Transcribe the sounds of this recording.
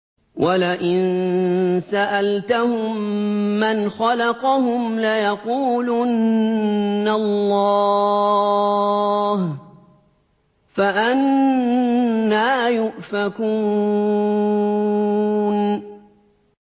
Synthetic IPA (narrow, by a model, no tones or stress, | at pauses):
wʔalaʔɪn | saʔalt̪ahʊmːanxɑlɑqɑɦʊmlajɑquːlunː | alːɑ | h | faʔan | aːjʊʔfakuː | n